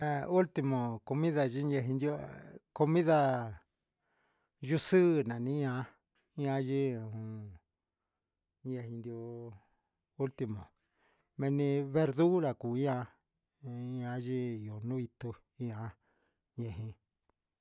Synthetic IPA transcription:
e˨˧u˦lt̪i˧mõ˨ko˧mĩ˦ða˧ʒi˦ɲẽ˧ɦĩ˧nd̪o˦ko˧mĩ˦ða˧ | ʒu˦˧sɨ˦˨nã˨nĩ˦ã˧˦ | ã˦ʒi˦˨ũ˨˧ | ɲẽ˧ɦĩ˧nd̪jo˧ | u˦lt̪i˧mõ̰˨ | mẽ˧nĩ˧βe˧ɾðu˦ɾa˨ku˨˦ã˧˦ | ã˧˦ʒi˦i˨o˨nũ˦i˧t̪u˧ | i˧˦ã˧˦ | ɲẽ˧ɦĩ˧

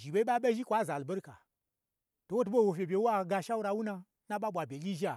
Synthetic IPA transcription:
ʒi˨be˦i˦ɓa˦ɓe˦ʒi˦kʷa˨˦˨za˨lbe˦ɾka̰˨ | to˨wo˦t̬u˦ɓo˦wo˨fʲe˨bʲe˨wo˦a˨ɡa˧ʃa˦u˦ɾa˧wu˦na˧˦ | na˦ɓa˦ɓʷa˨bʲe˨lʲi˦ʒi˦a˨

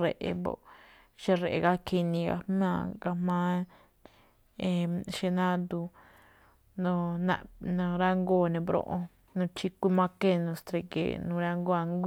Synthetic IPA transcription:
ɾe˧˨ʔe˧bo̰˧ | ʃe˦ɾe˨ʔe˧ka˦kʰi˧nĩ˧ɡa̰˧mã˧ka˧mã˦ | e˧˨ʃe˧nã˦d̪u˧ | nõ˧nã̰˧nõ˧ɾa˦ŋɡo˦˨˧nẽ˧bɾõ̰˧ʔõ˧ | nũ˧t͡ʃi˧kʷi˦mã˦ke˦nõ˧st̪ɾe˧kḛ˨nũ˧ɾa˦ŋɡo˦a˧ŋɡʷ

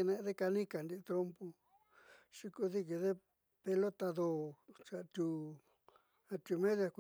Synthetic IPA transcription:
nẽ˧ʔðe˦ka˧nĩ˦ka˨nd̪i˧t̪ɾo˦mpo˧ | ʃi˧ku˧ði˦k̬i˧ðe˦ | pe˧lo˦t̪a˧ðo˧˨t͡ʃa˨˧t̪u˧ | a˧t̪u˧mẽ˦ðja˧kʷ

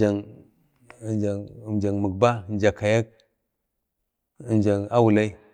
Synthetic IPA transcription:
a˨ŋ˨ | nd͡ʒa˨md͡ʒa˨ŋmə˨ɡ̚ba˦˨nd͡ʒa˨ka˨ja˦k̚ | nd͡ʒa˨ŋa˦wu˨la˦i˦

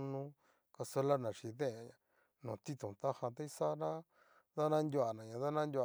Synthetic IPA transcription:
nũ˦ | ka˧so˦la˦nã˨ʂi˧ðẽ˦˨ɲã˧ | nũ˨t̪i˦t̪ũ˨t̪a˦ha˧t̪a˦i˦sa˦nã˦ | ða˦nã˦nd̪ʲju˧a˨nã˨ɲã˧ða˦nã˦nd̪ʲu˧a˨

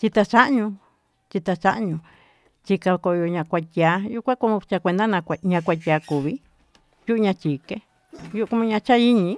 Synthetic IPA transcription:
t͡ʃi˧t̪a˧t͡ʃa˦ʔɲũ˧ | t͡ʃi˧t̪a˧t͡ʃa˦ʔɲũ˧ | t͡ʃi˧ka˧ko˧jo˧ɲã˧kʷa˧t̪ʲa˧ju˦kʷã˦kõ˧˦˧t͡ʃa˧kʷe˧nd̪a˦nã˧kʷa˧ɲã˧kʷa˧t̪ʲa˨˧ku˨βi˦ | ju˦ʔu˧ɲã˧t͡ʃi˨ke˦ | ju˦ʔu˧ku˧˦m̃˦˧ɲã˧t͡ʃa˦i˦ɲĩ˧˦

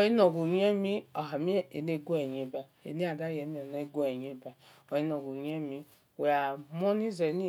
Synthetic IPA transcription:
i˦no˨ɡu˨ɲ˦e˦mi˦o˨ɦa˨mi˦e˦e˨ne˦ɡu˦e˨ɲ˨e˦ba˨ | ḛ˨ni˦a˨da˦je˨˦mi˦o˨ne˦ɡʷe˨ɲe˦ba˨ | o˨i˦no˨ɡu˨ɲ˦e˦mi˦ | we˨a˨m˦o˦ni˦ze˨˦ni˦

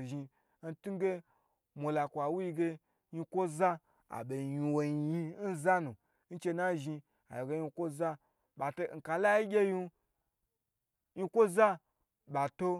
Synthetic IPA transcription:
ʒi˧ | n̩˦tu˦ɡe˦ | mʷo˨la˨kʷa˨wu˦ji˧ɡe˧ | ɲi˧kʷo˦za˦ | a̰˨be˨i˨˧wo˨ɲi˧˨ji˧n̩˦za˦nu˨ | n̩˦t͡ʃe˧na˦ʒi˧ | a̰˨jo˨ɡe˦ɲi˧kʷo˦za˦ | ɓa˨to˦ŋ̩˨ka˨la˦ji˦ɡʲe˦ju˦˧˦ | ɲi˧kʷo˦za˦ | ba˨to˦

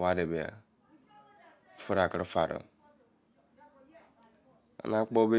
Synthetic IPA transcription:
wa˦de˨be˨a̰˨˦ | fu˦ɾa˨kə˨ɾfa˨ɾə̰˨ | a̰˨na˦k͡pɔ˦be˦

